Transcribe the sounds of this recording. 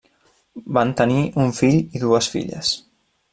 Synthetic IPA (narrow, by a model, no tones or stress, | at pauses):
bant̪əniʔuɱfiʎiðuəsfḭʎə̰s